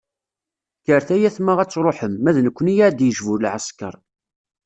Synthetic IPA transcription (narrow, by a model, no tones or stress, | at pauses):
kəɾθæjæθmaʁæt͡sːɾˤoħəmːæðnəkʷːənijaʕd̪jəʒvuɾlʕəskə̰ɾˤ